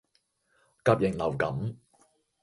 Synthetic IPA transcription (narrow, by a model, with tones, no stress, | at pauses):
kaː˧p̚jɪ˨˩ŋlɐ˨˩wkɐ˨˥m